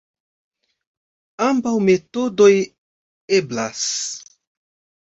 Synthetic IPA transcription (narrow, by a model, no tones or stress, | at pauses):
ambawme̞todoj | ebla̰s